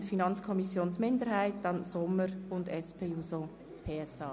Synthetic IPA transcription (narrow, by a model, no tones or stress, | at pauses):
finɑnt͡skʰɔmisjoːnsmɪndəɾhaɪt̚dɑnsʊmːəɾʊndɛspʰeːuːso | pʰeːɛsɑː